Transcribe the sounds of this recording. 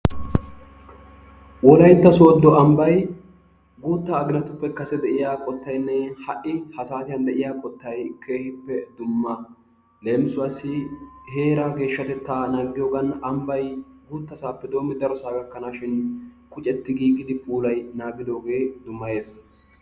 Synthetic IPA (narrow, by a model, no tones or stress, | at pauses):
wɔlɐjt̪ːɐsoːd̪ːɔɐmbɐj | ɡuːt̪ːaːɡɪnɐt̪ʊpːɛkɐsɛd̪ɛʔɪjaːkʼɔt̪ːɐjnːɛhɐʔɪhɐsaːt̪ɪjɐnd̪ɛʔɪjaːkʼɔt̪ːɐjkʰe̞ːhɪpːɛd̪ʊmːɐ | leːmɪsʊɐsɪhe̞ːɾaɡe̞ːʃːɐt̪ɛt̪ːaːnaːɡɪjoːɡɐnɐmbɐjɡuːt̪ːɐsaːpːɛd̪o̞ːmːɪd̪ɐɾɔsaːɡɐkːɐnaːʃɪnkʼʊt͡ʃʼɛt̪ːɪɡiːɡːɪd̪ɪpʰʼuːlɐjnaːɡɪd̪o̞ːɡe̞ːd̪ʊmːɐje̞ːs